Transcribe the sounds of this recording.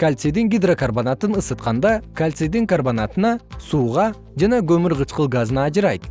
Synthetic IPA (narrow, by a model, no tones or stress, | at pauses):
kʲʰalʲt̪sed̪ɪŋɡʲijd̪rokʰorbonat̪ənəsət̪̚qɑnd̪ɑkʲʰalʲt̪sed̪ɪŋkʰorbonat̪ənɑsuʁɑ | ʒæneɡʰʲɵmɪɾʁət͡ʃqəlˠɡazənɑːʒəɾɑjd̪ə